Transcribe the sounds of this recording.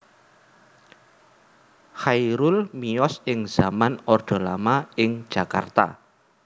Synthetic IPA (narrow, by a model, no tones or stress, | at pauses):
hajɾulmiɔsɪŋz̥amanɔrd̪̥ɔ̤lamaɪŋ̥ʒ̥a̤ka̰rt̪a̰